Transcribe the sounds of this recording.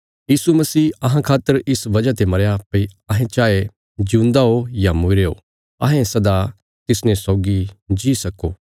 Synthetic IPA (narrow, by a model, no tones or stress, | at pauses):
jiːsumɐsiːɐɦãkʰaːt̪ːəɾɪsʋɐd͡ʒat̪emɐɾjapɐiɐɦẽt͡ʃaːe | d͡ʒũːnd̪aojamʊɾeːo̰ | ɐ̰ɦẽsɐd̪a | t̪ɪsnẽsɔːɡid͡ʒisɐkːoː